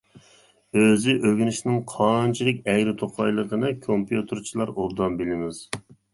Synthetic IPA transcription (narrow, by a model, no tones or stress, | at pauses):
øzɪʔøɡʲynɪʃnɪŋqʰɑnt͡ʃʰilˠɪk̚ʲɛɡʲɾɪt̪ʰoqʰɑjlˠəqənɨkʰompjut̪ʰɨɾt͡ʃʰilˠɑɾold̪ɑmbɪlɪmɪz̥